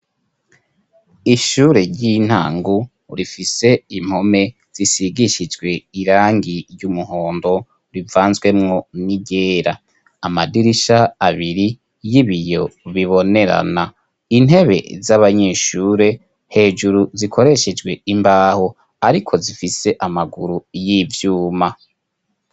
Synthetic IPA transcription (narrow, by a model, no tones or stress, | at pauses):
iʃuːɾe̞ɾɟin̥ha̰ːŋɡu | ɾifise̞im̥ho̞me̞ | z̥isiɡiʃid͡ʒɡwe̞iɾaːŋɡiɾjumuho̞ːndo̞ | ɾivaːnzwe̞mŋo̞niɟeːɾaː | madiɾiʃaːβiɾi | jiβijo̞βiβo̞ne̞ɾa̰na | ine̞βe̞̰zaβaɲe̞ːʃuːɾe | he̞ːd͡ʒuɾuzikʰo̞ɾe̞ʃe̞d͡ʒɡwe̞imbaːho | aɾikʰo̞zifise̞ʔamaɡuɾujivjuːma